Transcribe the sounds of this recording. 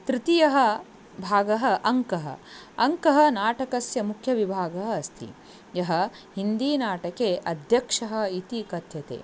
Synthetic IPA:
t̪ɾit̪ijɐɦɐ | bʱaːɡɐɦɐ̆ʔɐŋkɐɦɐ̰ɐŋkɐɦɐnaːʈɐkɐsjɐmukʰjɐʋibʱaːɡɐɦɐɐst̪ʰḭ | jɐɦɐ | ɦind̪iːnaːʈɐkeːʔɐd̪ʱjɐkʂɐɦɐ̆it̪ikɐt̪jɐt̪ḛː

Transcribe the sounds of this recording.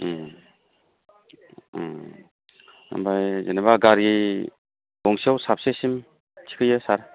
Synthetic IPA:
a̰mbajzenabaɡaɾi | bɔŋsiawsap̚sesim | t͡ʃʰi̥kʰɯjɯsaɾ

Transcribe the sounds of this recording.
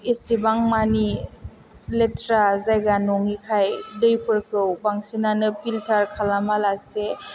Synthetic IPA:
esibaŋmani | letɾazajɡanɔŋikʰajdɯjpʰɯɾkɯwbaŋsinanɯpʰiltʰaɾkʰalamalase

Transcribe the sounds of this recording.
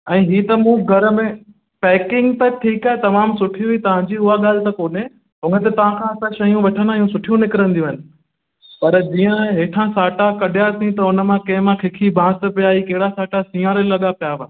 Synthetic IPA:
ɛ̃ːɦiːt̪ɐmũɡʱɐɾəmẽ | pɛːkɪ̃ŋɡt̪ɐʈʰiːkaːɦet̪ɐmaːmsʊʈʰijũɦit̪ɐʋ̤ãɲd͡ʑiːʊɦaɠaːl̤ɪt̪ɐkoːnẽ | ɦʊ̃ŋət̪ɐt̪ɐʋ̤ãkʰãːɐsãʃɐjũʋeːʈʰənãijũsʊʈʰijũnɪkɪɾə̃nd̪iũɦɪnɪ̆ | pɐɾd͡ʑiːə̃ɦeːʈʰãsaːʈakɐɗjat̪ʰĩt̪ɐʊnə̆mãkɐ̃ɦɪ̃mãkʰɪkʰibʱãːst̪ə̆pijaːikɐɦɪɽasaːʈasĩːãɾelɐɠapijaːʋaː

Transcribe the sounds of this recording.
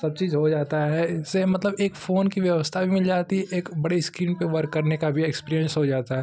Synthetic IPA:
sɐb̚t͡ʃiːzɦod͡ʒaːt̪aɦɛɪsːemɐt̪ləbeːkfoːnkiʋjɐʋəst̪ʰabʱimɪld͡ʒaːt̪iɛʔeːkbɐɽiskɾiːnpeʋɐɾkːɐɾnekabʱiɛkspiːɾijə̃nsɦod͡ʒaːt̪aɦɛ

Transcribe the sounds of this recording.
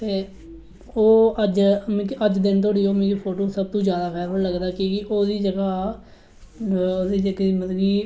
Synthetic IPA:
t̪eː | oːəd͡ʒmɛ̃kiʔəd͡ʒd̪ɪnt̪oːɽiːoːmẽːk̬ipʰoːʈoːsəb̚t̪õːd͡ʒjaːd̪aːkʰɛːɾələɡd̪aːkikɪʔoːd̪iːd͡ʒəɡaː | oːd̪iːd͡ʒəɡiːməd̪ɡiː

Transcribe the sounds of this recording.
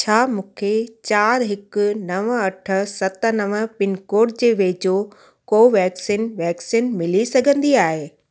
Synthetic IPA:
t͡ɕʰaːmũːkʰet͡ɕaːɾɦɪkʊnɐʋəɐʈʰə̆sɐt̪ənɐʋəpɪnkoːʈ̚d͡ʑeːʋeːd͡ʑoː | koːʋɛːksinʋɛːksinmɪlisɐɡʱə̃nd̪iaːɦeː

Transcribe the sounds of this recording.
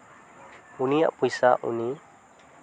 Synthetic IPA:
unija̰ʔpujsaʔṵni

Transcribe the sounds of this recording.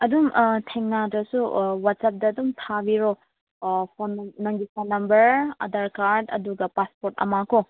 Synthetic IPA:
ɐdumtʰeŋnadɾɐsuwatsap̚dɐːdumtʰabiɾo | pʰonːɐŋɡipʰonːɐmbɐɾɐ̰dɐɾkaɾdɐ̰duɡɐpaspoɾtɐ̰makʰo

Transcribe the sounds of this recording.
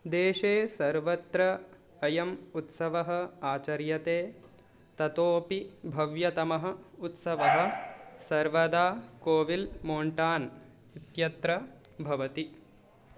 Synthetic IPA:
d̪eːʃeːsɐɾʋɐt̪ɾɐː | jɐmut̪sɐʋɐɦɐ̆aːt͡ʃɐɾjɐt̪eː | t̪ɐt̪oːpibʱɐʋjɐt̪ɐmɐɦɐ̆ut̪sɐʋɐɦɐ̆sɐɾʋɐd̪aːkoːʋilmoːɳʈaːn | it̪jɐt̪ɾɐ | bʱɐʋɐt̪i

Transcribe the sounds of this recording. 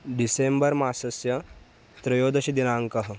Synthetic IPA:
ɖisembɐɾmaːsɐsjɐ | t̪ɾɐjoːd̪ɐɕid̪inaːŋkɐɦ

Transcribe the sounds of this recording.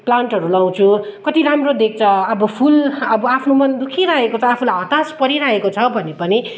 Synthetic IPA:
plaɳʈɦʌɾulaw̃t͡sʰukʌt̪iɾamrod̪ek̚t͡sʰʌʌbʌpʰulʌbʌapʰnomʌnd̪ukʰiɾaɦekot͡sʰʌapʰulajɦʌt̪aspʌɾiɾaɦekot͡sʰʌbʱʌnepʌni

